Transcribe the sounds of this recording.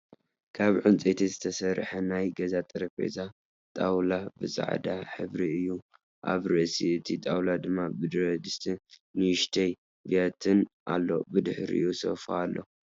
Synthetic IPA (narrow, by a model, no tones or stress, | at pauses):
kʰaβʕɨnt͡sʼet̪ʰizɨt̪ʰɐsɐɾħɐnajɡɐzat̪ʼɨɾɐfḛza | t̪ʼawlabɨsʼa̰ʕd̪aħɨβɾiɨjːu | ʔa̰βɾɨʔsiɨt̪ʰit̪ʼawlad̪ɨmːabɨd̪ɾod̪ɨst̪ʰinɨʃt̪ʰɐj | viat̪ʰɨnʔa̰lːo̞̰bɨd̪ɨħɾḭʔjuso̰falːo̰